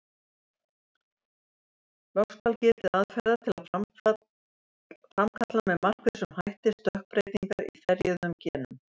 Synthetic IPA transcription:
vɔkspawlcɪːɾt̪ɪaðfɛɾðat̪ʰɪla | fɾamkʰat̪lanmɛðmar̥kvɪsʏmhajht̪ɪst̪œhk̚pɾeːjt̪niŋkaɾḭθɛɾjœðnʏmcɛːnʏ̰m

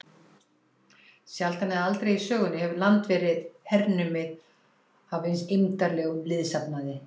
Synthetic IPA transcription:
sjalt̪anɪðalt̪ɾejisœːɣʏnːɪhɛvʏɾlant̪vɛːɾɪðhɛɾnʏmɪ | avɪnsɪmt̪aɾlɛːɣʏmlɪðsapnaðɪ

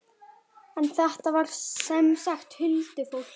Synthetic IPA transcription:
ɛnθɛht̪avaɾ̥sɛmsaxt̪hʏlt̪ɪfow

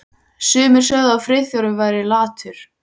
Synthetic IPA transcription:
sʏːmɪɾ̥sœɣðaawfɾɪjθjɔɾʏvajɾɪlaːt̪ʰʏɾ̥

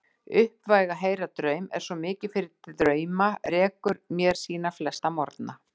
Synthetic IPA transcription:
ʏhpvajɣaɦeːjɾat̪ɾœɥmɛ̰ɾ̥sɔmɪːcɪ̥fɪɾɪɾœːɥmarɛːkʏɾmjɛɾ̥siːnaflɛst̪amɔɾt̪na

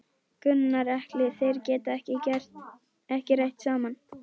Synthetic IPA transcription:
kʏnːaɾɛhklɪθejɾ̥cɛːt̪aɛhcɪcɛr̥t | ɛhcɪrejht̪saːman

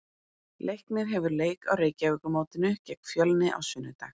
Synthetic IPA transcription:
lʔejhknɪɾ̥ɦɛvʏɾleːjka̰wɾeːjcavʏkʏmoːwt̪ɪnʏcɛkfjœlnɪʔa̰wsʏːnʏt̪ax

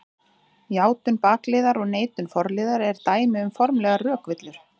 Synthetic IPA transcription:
jaːwt̪ʏnpaːklɪːðaɾɔɣneːjt̪ʏnfɔɾlɪːðaɾɛɾ̥t̪aːjmɪʏmfɔɾmlɛɣarœːkvɪt̪lʏɾ̥

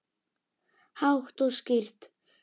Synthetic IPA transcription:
hawht̪ɔscɪr̥t̪

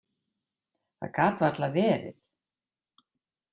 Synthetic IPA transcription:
θa̰ðkʰaːt̪vaɾat̪lavɛːɾɪ̰θ

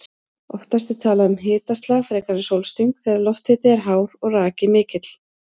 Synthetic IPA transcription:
ɔ̰ft̪ast̪ɪt̪ʰaːlaðʏmɦɪːt̪ast̪lafɾɛːkaɾɪnsowlst̪iŋkθɛɾaɾlɔht̪hɪːt̪ɪɛɾɦaːwɾɔɣraːcɪmɪːcɪt̪l̥

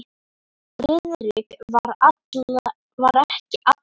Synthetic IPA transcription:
ɾɪðʏɾɪkvaɾat | vaɾɛhcɪʔat̪

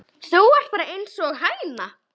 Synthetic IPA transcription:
sowvar̥t̪̚paːɾaʔejnsɔɣɦaːjna

